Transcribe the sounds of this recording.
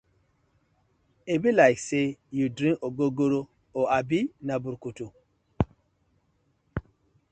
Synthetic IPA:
ebilajksejudɾĩnʔoɡoɡoɾo | oabinabuɾkutu

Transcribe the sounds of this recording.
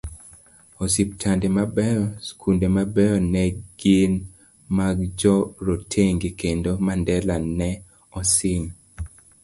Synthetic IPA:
osip̚tʰandemabɛɔskʰundemabɛɔnɛɡ̥ɪn | maɡd͡ʒɔɾotʰeŋɡekendomandɛlanɛ | ɔsɪn

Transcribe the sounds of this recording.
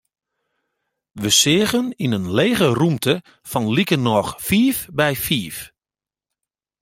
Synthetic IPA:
ʋəsɪːɣəninənleːɣərumtʰə | fɔnlikənɔxfiːfbɛjfiːf

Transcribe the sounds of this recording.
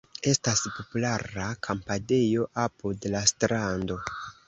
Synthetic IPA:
e̞staspo̞pulaɾakʰampade̞jo̞ʔapudlastɾando̞

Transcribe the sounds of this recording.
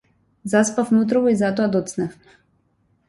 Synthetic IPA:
zaspafmɛut̪ɾɔvɔizat̪ɔad̪ɔt̪snafmɛ

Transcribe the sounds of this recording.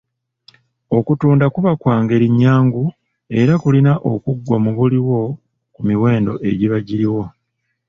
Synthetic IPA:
o̞kutuːndakuβakwaːŋɡe̞ɾiɲːaːŋɡu | e̞ɾakulinaʔo̰kuɡːwamuβuliwo̞ | kumiwe̞ːndo̞ʔe̞ɟiβaɟiɾiwo̞

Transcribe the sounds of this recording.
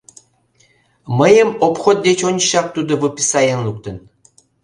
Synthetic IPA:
məjəmopxot̪̚d̪et͡ɕonʲʃɑk̚t̪ud̪ovɨpʲi̥sɑjɑnluk̚t̪ən

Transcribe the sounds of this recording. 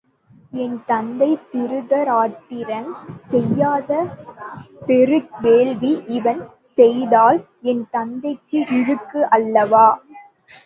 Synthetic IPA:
ɛnt̪ɐnd̪ɐɪt̪ɪɾɯðɐɾaːʈːɪɾɐnsɛjːaːðɐ | pɛɾɯʋeːlʋiʔɪʋɐn | sɛjðaːl | ɛnt̪ɐnd̪ɐɪkːɯʔɪɾɯkːɯʔɐlːɐʋaː

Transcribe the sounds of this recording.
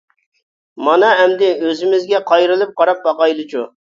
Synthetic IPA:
mɑnɑɦɛmd̪ɪøzɪmɪzɡʲɛqʰɑjɾɨlˠɨp̚qɑɾɑp̚bɑqɑjlˠɨt͡ʃʰu

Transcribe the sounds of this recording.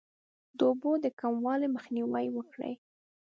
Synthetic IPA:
d̪əobod̪əkamwɑleməxniwajwəkɽə̰j

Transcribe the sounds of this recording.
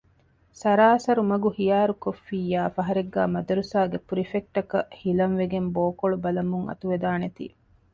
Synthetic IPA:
sɐɾaːɐsɐɾumɐɡuhijaːɾukofːiːjːaːfɐɦɐɾeɡːæːmɐd̪ɐɾusaːɡepuɾifek̚ʈɐkɐhilɐnʋeɡemboːkoɭubɐlɐmuŋɐ̰t̪uʋed̪aːnet̪ḭː

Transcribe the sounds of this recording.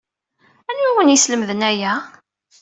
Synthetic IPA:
ænuwənisləmðənæjæ

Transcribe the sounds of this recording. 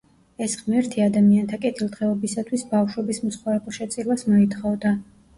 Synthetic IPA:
ɛsʁmɛɾt̪ʰiad̪amiant̪ʰakʼɛt̪ʰilˠt̪ʁɛɔbisat̪ʰwisbafʃwɛbismɔsχwaɾɛpʼɔʃɛt̪sʼilˠasmɔit̪ʰχɔvd̪a

